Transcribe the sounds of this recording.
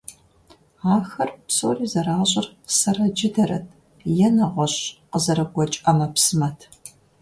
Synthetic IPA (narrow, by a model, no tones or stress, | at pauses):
aːxɐrpsoːriːzɐɾaːɕʼɪrqsɐrɐd͡ʒɪdɐɾɐ̰t̚ʰ | jɛnɐʁʷɔɕqəzɐɾɐɡʷɔt͡ʃʼɐmɐpsɨmɐtʰ